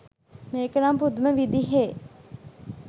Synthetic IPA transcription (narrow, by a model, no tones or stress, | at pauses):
meːkəɾampud̪uməʋid̪iɦeː